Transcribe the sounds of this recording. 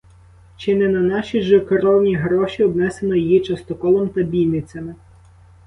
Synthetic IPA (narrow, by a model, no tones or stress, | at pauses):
t͡ʃɪnɛnɐnɑʃiʒɔkɔɾɔwnʲiɦɾɔʃʲiɔbnɛsenɔjijit͡ʃɐst̪ɔkɔlˠɔmt̪ɐbʲijʲnɪt͡sʲɐmɪ